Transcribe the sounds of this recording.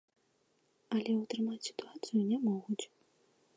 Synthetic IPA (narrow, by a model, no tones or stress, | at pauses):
ɐlʲɛut̪ɾɨmat͡sʲsʲi̥t̪uat̪sɨjunʲɛmɔɣut͡sʲ